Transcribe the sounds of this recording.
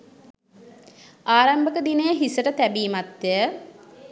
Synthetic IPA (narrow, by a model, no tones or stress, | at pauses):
aːɾambəkəd̪inəjəɦisəʈət̪æbiːmat̪jə